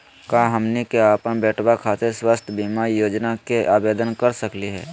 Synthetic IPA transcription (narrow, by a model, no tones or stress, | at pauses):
kaːɦəmnikeaːpənbɛːʈʰwakʰaːt̪eswast̪ʰbimaijoːd͡ʒnakeʔaːbeːd̪ənkəɾsəkliɦɛ̰ː